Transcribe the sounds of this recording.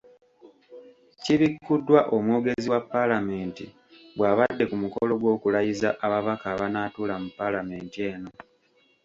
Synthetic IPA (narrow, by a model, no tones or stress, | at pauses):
ciβikːudːwaʔo̞mwoːɡe̞ziwapːalame̞ːntḭ | ɡwaːβadːe̞kumuko̞lo̞ɡwo̞ːkulajizaʔaβaβakaːβanaːtuːlamupːalame̞ːntie̞ːno̞